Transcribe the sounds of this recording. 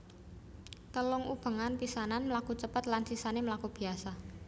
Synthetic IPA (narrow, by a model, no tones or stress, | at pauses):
t̪əlʊŋub̥ə̤ŋanpisananmlakut͡ʃəpət̪lansisaneməlakub̥i̤asa